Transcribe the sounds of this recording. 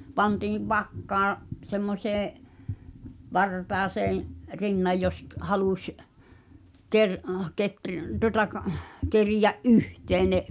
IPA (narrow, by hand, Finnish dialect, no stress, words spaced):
pɑntiːʋ ʋɑkːɑːɑ̃ semːosʲeːẽ ʋɑrtɑːseːẽ rinːɑj jos k hɑlusʲ ker ketr tuŏtɑ k kerijæʔ ʔyhteː ne